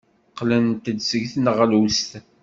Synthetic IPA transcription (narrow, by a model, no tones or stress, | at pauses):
qːlənt̪əd̪səʝθnəʁlust̪